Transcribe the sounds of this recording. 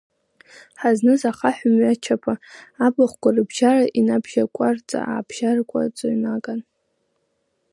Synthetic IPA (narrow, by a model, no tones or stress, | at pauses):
ħaznɨzaχaħʷᶣʊmɥat͡ʃʰapʰaabaχʷkʷarɨbʒaraʔinabʒakʷʼart͡sʼa̰ʔa̰ːbʒarkʷʼa̰t͡sʷʼonakʼan